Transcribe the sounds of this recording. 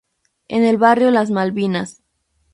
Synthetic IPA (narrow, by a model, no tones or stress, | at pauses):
ḛne̞lβarjo̞laz̬malβinas